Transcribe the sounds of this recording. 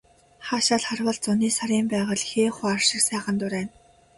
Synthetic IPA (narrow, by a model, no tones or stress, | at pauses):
χaːʃaːɮχarwə̆ɮt͡sʊniːsaɾʲiːmpæːʁə̆ɮxeːχʊarʃɪ̆rsæːχə̆nt̪ʊɾæːn